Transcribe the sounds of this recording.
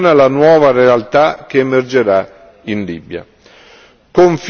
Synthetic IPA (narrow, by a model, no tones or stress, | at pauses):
nalanwɔːvarealt̪ak̟eːmerd͡ʒeɾa | inlḭbja̰ | koɱf